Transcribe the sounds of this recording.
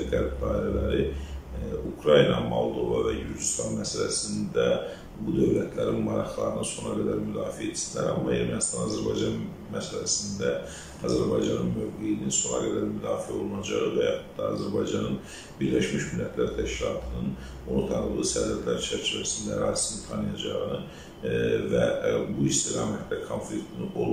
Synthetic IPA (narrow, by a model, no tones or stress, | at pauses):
ɡæɾb̚d̪ɑːiɾælæɾi | ukʰɾɑjinɑmolˠd̪o̞vɑvæjyɾd͡ʒist̪ʰɑnmæsælæsind̪æ | bud̪øvlæt̪ʰlæɾinmɑɾɑχlˠɑ̰ɾɯnɯnso̞nɑɡæd̪æɾmyd̪ɑːfiet̪ʰːisind̪æɾhɑmːɑeɾmænist̪ɑnɑzæɾbɑjd͡ʒɑn | mæsælæsind̪æ | ɑzæɾbɑjd͡ʒɑnɯnmøvɡeininso̞nɑ̰ɡæd̪æɾmyd̪ɑːfiæo̞lˠunɑd͡ʒɑʁɯvæjɑχut̪d̪ɑɑzæɾbɑjd͡ʒɑnɯn | biɾlæʃmiʃmilːæt̪ʰlæɾt̪ʰæʃkʲilˠɑt̪ʰɯnɯn | onut̪ʰɑnlˠɯsæd̪æt̪ʰlæɾt͡ʃʰæɾt͡ʃʰivæsind̪æɾɑ̰ːzi̥sinit̪ʰɑnɯjɑd͡ʒɑʁɯnɯ | væbuist̪iɾɑmhæt̪ːɑkʰonflikt̪ʰunɯʔolˠ